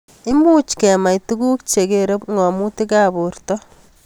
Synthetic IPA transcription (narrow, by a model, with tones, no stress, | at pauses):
ɪ˦mu˦t͡ʃkɛ˨ma˨jtu˦ku˦k̚t͡ʃe˨keɾe˦pŋɔ˨mu˦ti˦ka˦bu˨rtɔ˦